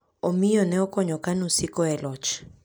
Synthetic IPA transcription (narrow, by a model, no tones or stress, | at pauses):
ɔmijɔnɛɔkɔɲɔkanusikɔɛlɔt͡ʃ